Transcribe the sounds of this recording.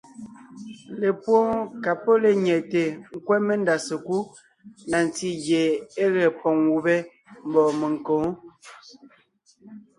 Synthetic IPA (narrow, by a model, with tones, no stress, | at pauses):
le˨pwɔ˦ka˨po˦le˨ɲɛ˨te˨ŋ̩˦˨kwɛ˦me˦nda˨se˨ku˦ | na˨n˨ti˦ɡje˨e˦ɣɛ˨pɔ˨ŋwu˨bɛ˦ | m̩˨bɔ˨mə˨ŋ˨ko˨˦ŋ